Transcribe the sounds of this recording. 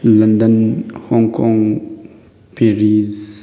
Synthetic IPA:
lɐndənhɔŋkɔŋ | peɹiz

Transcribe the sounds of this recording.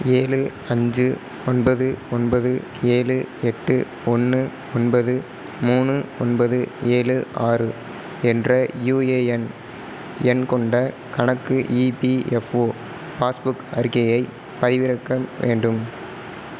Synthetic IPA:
eːlɯ | ɐɲd͡ʒɯ | ɔnbɐðɯɔnbɐðɯ | eːlɯɛʈːɯ | ɔnːɯ | ɔnbɐðɯ | muːnɯɔnbɐðɯeːlɯʔaːrɯ | ɛndrɐjuːeːɛn | ɛnkɔɳɖɐ | kɐɳɐkːɯʔiːpiɛfoː | paːsbʊkɐɾɣɐjɐɪ | pːɐðɪʋɪɾɐkːɐʋḛːɳɖɯm

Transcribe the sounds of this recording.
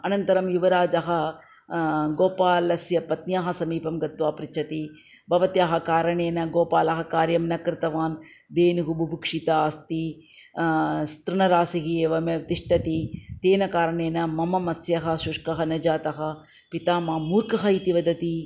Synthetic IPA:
ɐnɐnt̪ɐɾɐmjuʋɐɾaːd͡ʒɐɦɐ̆ | ɡoːpaːlɐsjɐpɐt̪njaːɦɐ̆sɐmiːpɐmɡɐt̪ʋaːpɾɪt͡ʃʰɐt̪i | bɐʋɐt̪jaːɦɐkaːɾɐɳeːnɐɡoːpaːlɐɦɐkaːɾjɐmnɐkɾɪt̪ɐʋaːn | d̪eːniɦubʱubʱukʂit̪ɐaːst̪i | st̪ɾɪɳɐɾaːsiɦieːʋɐmɐt̪iʂʈɐt̪it̪eːnɐkaːɾɐɳeːnɐmɐmɐmɐsjɐɦɐʃuʂkɐɦɐnɐd͡ʒaːt̪ɐɦɐ̆ | pit̪aːmaːmuːɾkɐɦɐit̪iʋɐd̪ɐt̪i

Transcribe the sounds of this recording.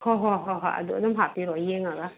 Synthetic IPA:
hɔɦɔɦɔɦa̰a̰d̪ud̪ɔmɦapiɾɔjeŋaɡa

